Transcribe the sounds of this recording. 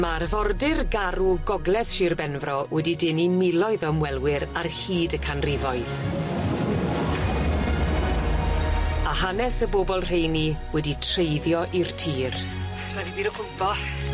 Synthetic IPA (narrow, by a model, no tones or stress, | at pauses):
marvɔrdɪrɡaɾuɡɔɡlˠɛð̥ʃiːrbɛnvrɔwʔɛdidɪnimɪlˠɔɨðɔmwɛlˠwɪɾarhiːdəkʰanrɪvɔɨð | ahanɛsəboːbɔlˠr̥ejniwɛditʰrejðjɔʔirtʰiːr | wɛdibiːɾəkʰʊpɔ